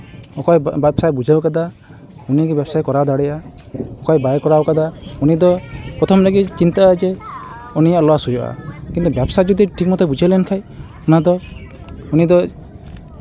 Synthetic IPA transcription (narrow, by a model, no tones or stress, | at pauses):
ɔkɔjbbsajbud͡ʒʱabɔkad̪a | unikibjabsajkɔɾad̪aɽeja | ɔkajbajekɔɾabɔkad̪aunid̪ɔpɾɔt̪ʰɔmɾeɡit͡ʃint̪ad͡ʒe | ɔnijaʔlɔasujɔa̰kint̪ubjabsajd͡ʒɔd̪iʈʰik̚mɔt̪ebud͡ʒajlenkʰaj | unad̪ɔ | unid̪ɔ